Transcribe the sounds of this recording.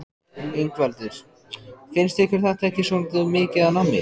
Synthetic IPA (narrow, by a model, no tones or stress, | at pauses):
iŋkvɛlt̪ɪɾ̥ | fɪnst̪ehkvɪɾ̥θɛht̪aɛhcːɪsownt̪mɪːcɪðanamːɪ̰